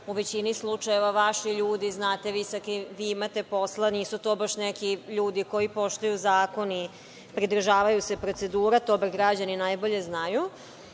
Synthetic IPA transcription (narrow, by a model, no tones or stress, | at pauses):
uʋe̞t͡ɕinislˠut͡ʂajeʋaʋaʃiʎuːd̪iznaːt̪e̞ʋisakiʋiimat̪e̞po̞slˠaniːsut̪o̞ːbaʃnɛkiʎuːd̪iko̞jipo̞ʃt̪ujuzaːko̞ni | pɾid̪r̩ʒaːʋajuse̞pɾo̞t̪se̞d̪uːɾat̪obeɡɾad͡ʑaninajbo̞ʎe̞znaju